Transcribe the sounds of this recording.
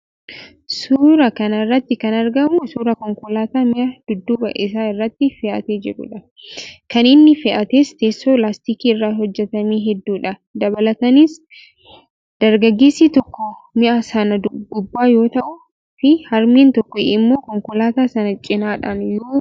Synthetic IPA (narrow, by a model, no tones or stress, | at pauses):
suːɾɐkɐnɐrːɐt̪ːɪkɐnɐɾɡɐmʊsuːɾɐkɔŋkʊlaːt̪aːmɪʔɐd̪̥ʊd̪ːubɐʔɪs̬aːɪrːɐt̪ːɪfɪʔɐ̰t̪eːd͡ʒɪɾʊ̰ᶑɐ | kɐnɪnːɪfɪʔɐt̪eːst̪eːsːoːlaːst̪iːkiːɪrːaːhɔd͡ʒːɛt̪ɐmiːɦɛd̪ːuːᶑɐ | d̪ɐβɐlɐt̪ɐniːs | d̪̥ɐɾɡɐɡːe̞ːsːiːt̪ɔkːɔmɪʔɐsɐnɐd̪ʊɡʊbːaːjo̞ːt̪ɐʔʊ | fɪhɐɾmeːnt̪ɔkːɔɪmːo̞ːkɔŋkʊlaːt̪aːsɐnɐt͡ʃʼɪnaːᶑɐnjoː